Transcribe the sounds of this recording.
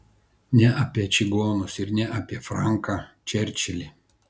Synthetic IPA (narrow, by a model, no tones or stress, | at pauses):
nʲɛʔɐpʲiɛt͡ʃʲɪɡoːnʊsɪɾnʲɛʔapʲiɛfɾɑˑŋˑkɑːt͡ʃʲɛɾʲt͡ʃʲɛlʲi